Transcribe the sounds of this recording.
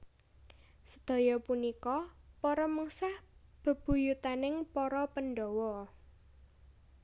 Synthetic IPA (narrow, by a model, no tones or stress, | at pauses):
sə̥d̪̥ɔ̤jɔpunikɔpɔɾɔməŋsahb̥ə̤b̥ṳjut̪anɪŋpɔɾɔpənɖɔwɔ